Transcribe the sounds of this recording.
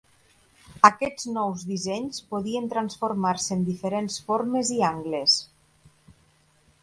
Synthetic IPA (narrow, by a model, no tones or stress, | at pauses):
əkɛd͡znɔwzðizɛɲspoðient̪ɾansfoɾmaɾseːnd̪ifeɾensfoɾmeziaŋɡles